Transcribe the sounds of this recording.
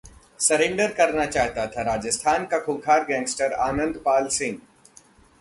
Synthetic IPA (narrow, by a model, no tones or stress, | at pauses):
sɐɾẽːɳɖəɾkɐɾnat͡ʃaːɦt̪at̪ʰaɾaːd͡ʒəst̪ʰaːnkakʰʊbkʰaːɾɡɛ̃ːŋɡsʈəɾaːnə̃nd̪paːlsɪ̃ŋɡ